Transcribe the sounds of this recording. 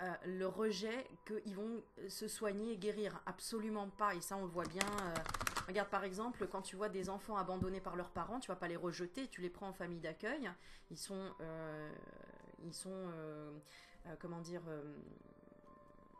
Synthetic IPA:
øləʁəʒɛkəʔilvɔ̃səswaɲeːɡʲeʁiːʁapsɔlymɑ̃paesaɔ̃ləvwabjɛ̃øʁəɡaʁd̪̚paʁɛɡzɑ̃plkɑ̃t̪yvwad̪ezɑ̃fɑ̃abɑ̃d̪ɔnepaʁlœʁpaʁɑ̃t̪yvapaleʁəʒət̪et̪ylepχɑ̃ɑ̃famijd̪akʲœjilsɔ̃ø | ḭlsɔ̃ø | økɔmɑ̃d̪iʁøm

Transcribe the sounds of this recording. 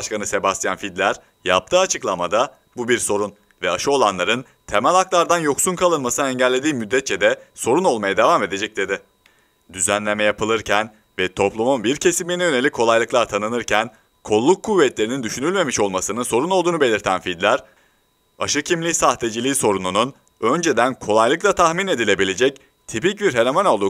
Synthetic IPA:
ʃkanɯsebasja̰nfid̪lʲæɾ | ja̰p̚t̪ʰɯːat͡ʃʰɯklˠamad̪a | bubiɾso̞ɾun | vɛaʃɯo̞lˠanlˠaɾɯn | t̪ʰe̞mælʲhaklˠaɾd̪anjo̞ksunkʰalˠɯnmasɯnɛɲɟælʲːe̞d̪iːmyd̪ːɛt̪̚t͡ʃʰɛd̪ɛso̞ɾuno̞lˠmajad̪e̞vame̞d̪e̞d͡ʒɛc̚d̪e̞d̪ɪ | d̪yzænlʲe̞mɛjapʰɯlˠɯɾcʰæn | vɛt̪ʰo̞plˠumunbiɾcʰe̞siminɛjø̞ne̞lʲickʰːo̞lˠajlˠɯklˠaɾt̪ʰanɯnɯɾcʰæn | kʰo̞lˠːukʰːuvːɛt̪lʲe̞ɾinind̪yʃynylʲme̞miʃo̞lˠmasɯnɯnso̞ɾunolˠd̪uːnube̞lʲiɾt̪ʰænfid̪lʲæɾ | aʃɯcʰimlʲisaht̪e̞d͡ʒilʲiːso̞ɾununun | ø̞nd͡ʒe̞d̪ænkʰo̞lˠajlˠɯklˠat̪ʰaxmine̞d̪ilʲe̞bilʲe̞d͡ʒɛc̚ | t̪ʰipic̚biɾɦe̞ɾomono̞lˠd̪u

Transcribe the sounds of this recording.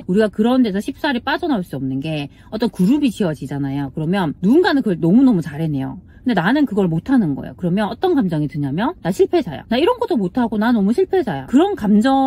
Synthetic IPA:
uɾiɡakɯɾʌnde̞sʰʌɕʰip̚s͈aɾiɭp͈ad͡ʑʌnauɭs͈uʌmnɯnɡe̞ | ʌt͈ʌnkuɾubit͡ɕiʌd͡ʑid͡ʑanajokɯɾʌmjʌnnuːnɡanɯnkɯʌnʌmunʌmut͡ɕaɾɦe̞ne̞jo̰kɯɯnde̞nanɯnkɯɡʌɭmotʰanɯnɡʌ̰ḛjo̰kɯɾʌmjʌnʌt͈ʌnkamd͡ʑʌŋitɯɲamjʌnnaɕʰiɭpʰe̞d͡ʑa̰ja̰naiɾʌnɡʌt͈omotʰaɡonanʌmuɕʰiɭpʰe̞d͡ʑaja̰kɯɾʌnkamd͡ʑʌ

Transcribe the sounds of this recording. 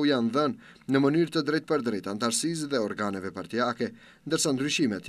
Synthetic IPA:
ujanðənː | əmənyɾt̪əd̪ɾɛjt̪̚pəɾd̪ɾɛt̪ant̪aɾsis̬ðɛɔɾɡanɛvɛpaɾt̪iakɛ | nd̪əɾsand̪ɾyʃimɛt̪

